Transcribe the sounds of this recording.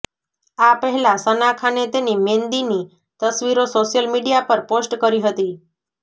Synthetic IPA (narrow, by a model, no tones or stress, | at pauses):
apəɦɛlãsənakʰanet̪enimend̪ini | t̪əsʋiɾosoʃjəlmiɖijapəɾposʈkəɾiɦət̪i